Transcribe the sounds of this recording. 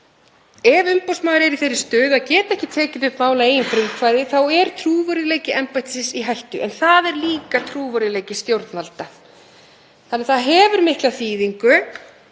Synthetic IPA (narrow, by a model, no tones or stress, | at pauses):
ɛvʏmpawsmaːwɣɾɛɾiθejɾɪ̥st̪œːðacɛːt̪aɛhcɪt̪ʰɛːcɪʏt̪maːwlaeːjʏnfɾɪmkʰvajðɪθawɛɾ̥t̪ʰɾuːvœɾɪleːjcɪʔɛmpajt̪ɪ̥sɪsiɦajht̪ʏ̰ʔɛ̰nθaðɛɾliːkat̪ʰɾuːvœɾɪleːjcɪst̪jowɾt̪nalt̪a | θanːɛθaðɦɛːvʏɾmɪhklaθiːðiŋkʏ